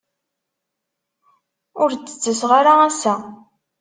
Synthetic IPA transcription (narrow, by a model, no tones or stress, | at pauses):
ʊɾt͡sːə̥t͡sːəsʁaɾaæsæ